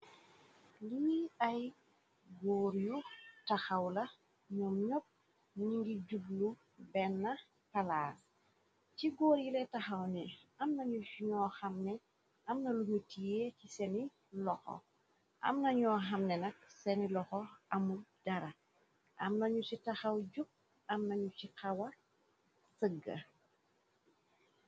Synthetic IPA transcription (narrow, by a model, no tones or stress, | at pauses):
liɐj | ɡɔːɾjutɐxɐwlɐ | ɲɔmɲop̚ | ɲiŋɡiɟublu | bɛnːɐ | pɐlaːr | ciɡɔːɾjilɛtɐxɐwnɛɐmnɐɲuuɲɔːxɐmnɛ | ɐmnɐluɲutijeːcisɛni | lɔxɔ̰ | ʔɐ̰mnɐɲɔːxɐmnɛnɐk̚sɛnilɔxɔɐmud̥ɐɾɐ | ʔɐmnɐɲusitɐxɐwɟuk̚ | ɐmnɐɲut͡ʃikɐwɐ | səɡːɐ̰